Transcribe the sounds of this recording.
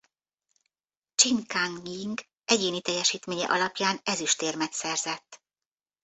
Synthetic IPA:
t͡ʃiŋkaŋiŋɡ | ɛɟeːnit̪ɛjːɛʃiːt̪meːɲɛ̰ʔɒlɒpjaːnɛzyʃt̪eːrmɛt̪sɛrzɛt̪ː

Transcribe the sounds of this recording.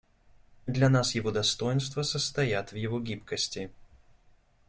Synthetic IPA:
d̪lʲɐnasjɪvod̪ɐst̪o̞jɪnst̪vəsəst̪ɐjat̪vjɪvoɡʲipkəsʲtʲɪ

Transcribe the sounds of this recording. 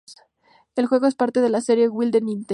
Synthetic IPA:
e̞lxwe̞ɣo̞e̞spaɾt̪e̞ð̞e̞lase̞ɾje̞ɣwild̪enĩnt̪

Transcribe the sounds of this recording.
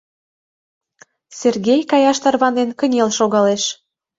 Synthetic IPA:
serɣʲejkɑjɑʃt̪ɑrβɑnenkənʲelʃoɣɑleʃ

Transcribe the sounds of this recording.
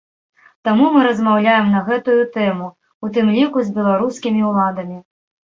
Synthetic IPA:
t̪amumɨɾɐzmawlʲajɛmnɐɣɛt̪ujut̪ɛmu | ut̪ɨmlʲikuzʲbʲɛlˠaɾuskʲimʲiwlˠad̪ɐmʲi

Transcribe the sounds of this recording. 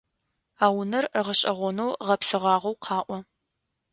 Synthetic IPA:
aːwnɐrəʁəɕʼɐʁʷɔnowʁɐpsɨʁɑːʁʷɐwqʰɑːʔʷɔ

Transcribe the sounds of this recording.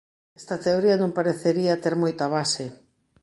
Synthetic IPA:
ɛst̪ɐt̪eoɾiɐnõŋpaɾeθeɾiat̪eɾmojt̪aβ̞ase

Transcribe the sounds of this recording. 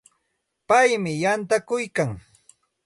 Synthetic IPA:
pajmɪjant̪akʊjkaŋ

